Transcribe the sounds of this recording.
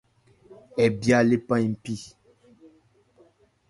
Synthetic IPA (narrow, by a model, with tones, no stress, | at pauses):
ɛ˨bja˦le˦pã˦jm̩˨pi˦˨